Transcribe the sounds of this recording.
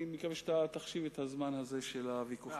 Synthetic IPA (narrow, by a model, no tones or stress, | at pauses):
mikaveʃat̪at̪aχʃivet̪hazmanhaze̞ʃelavikuχ